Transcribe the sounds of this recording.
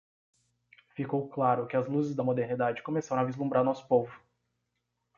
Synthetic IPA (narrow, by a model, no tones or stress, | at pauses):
fikowklaɾʊkɪɐzluzɪzd̪ɐmod̪eɾnid̪ad͡ʒɪkõmesaɾɐ̃ɐavizlũmbɾaɾnɔsʊ̥povʊ